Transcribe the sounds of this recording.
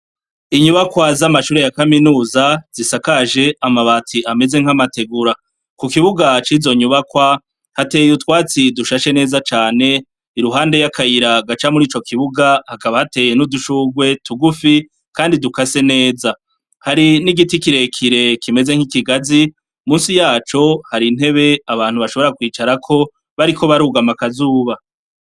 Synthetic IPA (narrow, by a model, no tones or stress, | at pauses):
iɲuβakwazamaʃuːɾe̞jakaminuːzaz̥isakaʒe̞amaβatʰiame̞ze̞ŋ̥hamate̞ɡuɾa | kukiβuɡat͡ʃizo̞ɲuβakwa | hatejutkwaːt͡siduʃaʃe̞ne̞ːzat͡ʃaːne̞ | iɾuɦaːnde̞jakajiɾaɡat͡ʃamuɾiːt͡ʃo̞kʰiβuɡahakaβahate̞ːje̞nuduʃuɡwe̞tʰuɡufi | kaːndidukase̞ne̞ːza | haɾiniɡitikiɾe̞kʰiɾe̞kʰime̞ze̞ŋ̥hikiɡazi | muːnsijaːt͡ʃo̞haɾin̥he̞βe̞aβaːn̥huβaʃo̞βo̞ɾakwiːt͡ʃaɾakʰo̞ | βaɾikʰo̞βaɾuːɡamakazuːβa